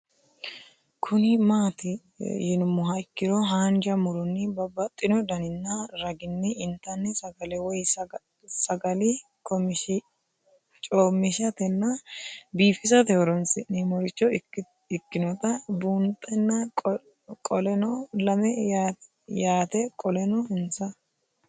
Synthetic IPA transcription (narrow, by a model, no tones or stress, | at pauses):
kʰʊnɪmaːt̪ɪ | jɪnʊmːʊɦɐɪkːɪɾɔɦaːnd͡ʒɐmʊɾɔnːɪbɐbɐt̪ʼːɪnɔd̪ɐnɪnːɐɾɐɡɪnːɛɪnt̪ːɐnːɛsɐɡɐlɛwɔjs | sɐɡɐlɪ | kɔm | t͡ʃʼoːmːɪʃɐt̪ɛnːɐbiːfɪs̬ɐt̪ɛhɔɾɔnsɪnɛmɔɾɪt͡ʃːɔ | ɪkːɪnɔt̪ɐbuːnt̪ʼːɛnːɐ | kʼɔlɛnɔlɐmɛja | jaːt̪ɛkʼɔlɛnɔhɪnsɐ